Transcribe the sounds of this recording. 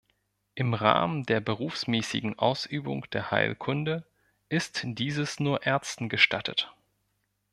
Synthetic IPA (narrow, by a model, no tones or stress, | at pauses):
ʔɪmʁa̰ːməndeːɐbəʁuːfsmɛːsɪ̰ɡŋ̩ʔa̰ʊsʔyːbʊ̰ŋd̥eːɐha̰ɪlkʰʊndə | ʔɪstd̥iːzəsnuːɐʔɛɐt͡stn̩ɡəʃtʰa̰tʰə̰t